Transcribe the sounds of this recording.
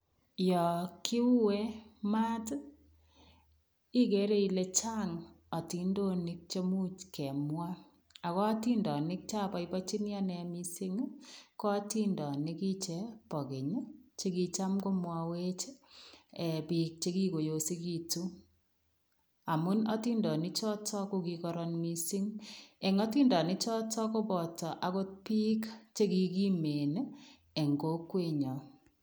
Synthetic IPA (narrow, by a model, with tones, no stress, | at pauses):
jɔ˨kɪ˦ʊ˦we˦ma˦t | i˦ke˨˦ɾe˦i˨le˦t͡ʃa˦ŋ | ɔ˨ti˨ndo˦nɪ˦k̚t͡ʃe˦mu˦t͡ʃkɛ˨mwa˦ | a˨ɣɔ˦ti˦ndɔ˨nɪ˦k̚t͡ʃa˦pɔ˨i˦pɔ˦t͡ʃi˦nja˦nɛ˨mi˦se˦ŋ˦kɔ˦ti˦ndɔ˨nɪ˦ki˦t͡ʃe˦pɔ˨ke˨ɲ˦t͡ʃe˦ki˦t͡ʃa˦mko˦mwa˦we˦t͡ʃ | ɛ˨pi˨k̚t͡ʃe˦ki˦ko˨jo˨si˦ki˦tu˦ | a˨mu˦nɔ˦ti˦ndɔ˨nɪ˦t͡ʃɔ˦tɔ˦ko˦ki˨kɔ˦ɾɔ˦nmi˦sɪ˦ŋɛ˨ŋɔ˦ti˦ndɔ˨nɪ˦t͡ʃɔ˦tɔ˦ko˦bɔ˨tɔ˨ʔa˨ko˦t̚pi˦kt͡ʃe˦ki˨ki˦me˨n | e˨ŋɡo˦kwe˦˨ɲɔ˨